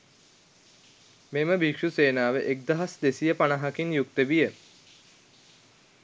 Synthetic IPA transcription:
meməbikʂuseːnaːʋeʔek̚d̪aɦasd̪esijəpanɐɦakinjuk̚t̪əbijə

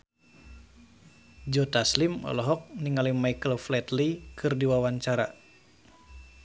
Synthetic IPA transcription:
d͡ʒɔt̪aslimɔ̰lɔɦɔk̚niŋalimaikəlflɛt̪likʰɨrdiwawaɲt͡ʃaɾa̰

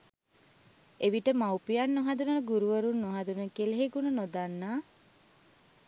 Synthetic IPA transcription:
eʋiʈəmawpijanːoɦad̪unəɡuɾuʋəɾunːoɦad̪unəkeleɦeɡununod̪anːaː

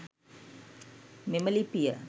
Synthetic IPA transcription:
meməlipiə

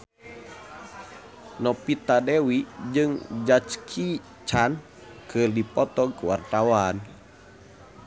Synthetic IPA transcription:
nɔpit̪adɛwid͡ʒɨŋd͡ʒat͡ʃkʰi | t͡ʃan | kɨrdipɔt̪ɔɡkuwart̪awan

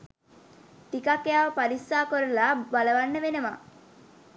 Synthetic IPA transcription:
ʈikakejaʋəpaɾisːaːkoɾəlabaləʋanːəʋenəma̰

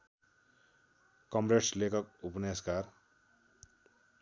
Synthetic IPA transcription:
kʌmɾeʈslekʌkupneskaɾ

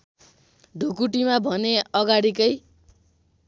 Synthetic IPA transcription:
ɖʱukuʈimabʱʌneʌɡaɽikʌj

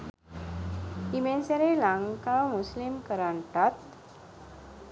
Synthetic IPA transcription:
imenseɾelãŋkamuslimkəɾaɳʈat̪

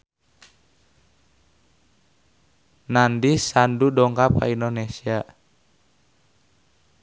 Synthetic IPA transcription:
nandisandudɔŋkapa̰indonesia

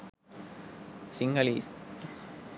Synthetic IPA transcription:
sɪŋɡɐlḭːs

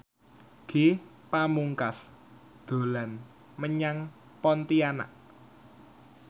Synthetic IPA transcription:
ɡ̥e | pamuŋkas | d̪̥o̤lan | məɲaŋ | pɔnt̪iana̰ʔ

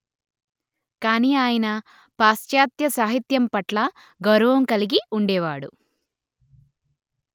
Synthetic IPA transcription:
kaːniːaːjɐnɐ | paːsjaːt̪jɐsaːɦit̪jɐmpɐʈlɐ | ɡɐwɾɐʋɐmkɐliɡiuɳɖɛːʋaːɽṵ

